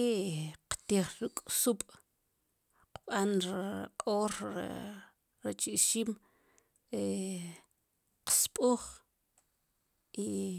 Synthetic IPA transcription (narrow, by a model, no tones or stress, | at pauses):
eqt̪iχɾukʼsuɓ̥ʼ | qɓanɾqʼoɾ̰ | ɾat͡ʃiʔʃiːm | ɾe | qspʼuːχ | i